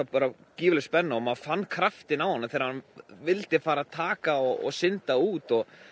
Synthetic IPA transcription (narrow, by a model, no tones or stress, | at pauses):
apaːɾa | ciːvʏlspɛnːaɔmaðfanːkʰɾaft̪ɪnawhanːaθɛːɾhanvɪlt̪ɪfaːɾat̪ʰaːkaɔɔ̰sɪnt̪auːt̪ɔɣ